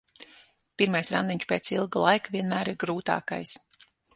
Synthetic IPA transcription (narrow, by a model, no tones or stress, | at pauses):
piɾmajsɾand̪iɲʲt͡ʃpeːt̪silˠɡlˠajkaviɛnmæːɾiɾɡɾuːt̪a̰ːka̰js